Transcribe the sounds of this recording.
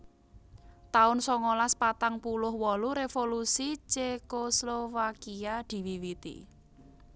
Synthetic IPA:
t̪aʊnsɔŋolaspat̪aŋpulʊhwɔluɾefolusit͡ʃekoslofakiad̪̥i̤wiwit̪ḭ

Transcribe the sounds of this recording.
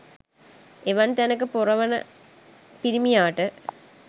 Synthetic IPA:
eʋɐnt̪ɐnɐk̬ːɨpurɐʋɐnɐ̰ | piɾimijaːʈːɨ

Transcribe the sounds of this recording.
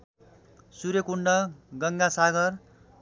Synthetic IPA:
suɾjʌkuɳɖʌɡʌŋɡasaɡʌr

